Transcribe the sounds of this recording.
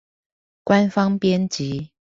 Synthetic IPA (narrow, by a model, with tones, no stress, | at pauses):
kwa˦nfɑ˥ŋpjɛ˥˦nt͡ɕi˨˦